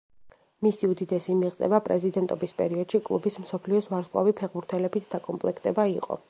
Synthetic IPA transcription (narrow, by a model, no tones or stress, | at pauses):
misiud̪id̪ɛsimiʁt̪sʼɛ̰vapʼɾɛzid̪ɛnt̪ʼɔbispʼɛɾiɔd̪̥ʃikʼlˠṵbismsɔpʰliɔsvaɾsqʼa̰vipʰɛʁbuɾt̪ʰɛlɛbit̪ʰd̪̥akʼɔmpʼlɛkʰt̪ʼɛbaiqʼɔ̰